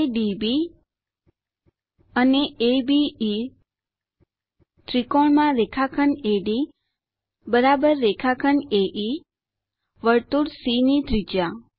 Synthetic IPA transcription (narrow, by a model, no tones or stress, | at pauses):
ɖibi | əneebiː | t̪ɾikoɳmãɾekʰakʰəneɖi | bəɾabəɾːekʰakʰəneʔi | ʋəɾt̪uɽsinid̪ɾid͡ʒa